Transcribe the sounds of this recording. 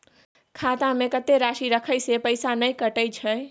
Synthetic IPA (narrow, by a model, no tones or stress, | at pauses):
kʰaːt̪ãmẽkət̪eɾaːʃiɾəkʰəjsepəɪsanəjkəʈəjt͡ʃʰə